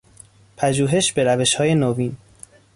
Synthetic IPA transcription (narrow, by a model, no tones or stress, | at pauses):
pʰæʒuːɦe̞ʃbe̞ɾæve̞ʃhɒːje̞novin